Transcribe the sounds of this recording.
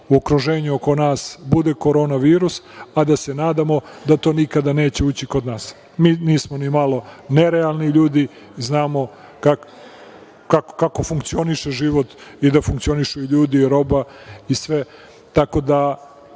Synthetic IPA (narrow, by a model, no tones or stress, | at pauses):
uokɾuʒeːɲuoko̞naːsbud̪eko̞ɾo̞ːnaʋiːɾusad̪ase̞naːd̪amo̞d̪at̪o̞ːnikad̪ane̞ːt͡ɕe̞uːt͡ɕikod̪naːs | miːniːsmonimalo̞neɾealˠniʎuːd̪i | znaːmo̞ | kak | kakkako̞fuŋkt̪sio̞niʃeʒiʋo̞t̪id̪afuŋkt̪io̞niʃuiʎuːd̪iːɾo̞ba | isʋe | t̪ako̞d̪a